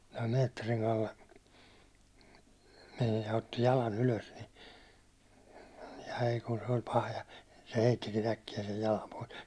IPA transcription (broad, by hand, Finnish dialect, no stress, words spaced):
jɑ meːtːeriŋ kɑlːe mej jɑ otːi jɑlɑn yløs ni ɑi kun se olʲ pɑhɑ jɑ se heitːikin ækːijæ sej jɑlɑm pois